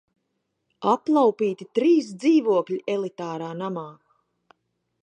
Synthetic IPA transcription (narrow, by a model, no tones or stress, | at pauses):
aplˠawpiːt̪it̪ɾiːs̬d̪ziːvuɔklʲiʔɛlˠit̪aːɾaːnamaː